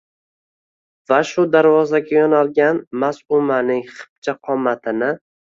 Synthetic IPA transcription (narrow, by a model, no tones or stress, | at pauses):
vaʃʊd̪aɾvɒzaɡʲajɒnalˠɡʲanmasʊmanɪŋχɨ̥p̚t͡ʃʰaqʰɒmːat̪ʰɪnɪ